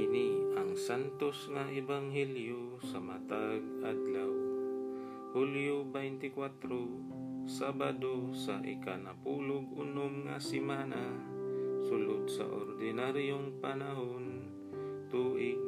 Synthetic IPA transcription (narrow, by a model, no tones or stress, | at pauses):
ʔɪniʔɐŋsant̪osŋaʔɪbaŋɦɛljo | sɐmat̪aɡ̚ʔad̪law | huljobɛjnt̪ɪkwat̪ɾo | sabad̪osaʔɪ̰kanɐpuːloɡʔʊnomŋa̰sɪmaːna | sʊlod̪̚sa̰ʔo̰ɾd̪ɪnaɾjoŋpanaɦon | t̪uːʔɪɡ̚